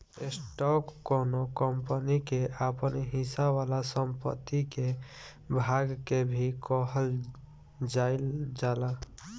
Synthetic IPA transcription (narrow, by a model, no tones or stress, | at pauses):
esʈɔkkːonokəmpənikeʔapənɦisaʋalasəmpə̰t̪ːike | bʱaɡkebʱikɔɦəl | d͡ʒaɪld͡ʒala